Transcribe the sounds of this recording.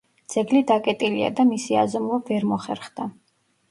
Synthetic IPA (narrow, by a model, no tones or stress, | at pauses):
d̪z̥ɛɡlid̪akʼɛt̪ʼilia̰d̪amisia̰zɔmlˠɔvɛɾmɔχɛ̰ɾχd̪a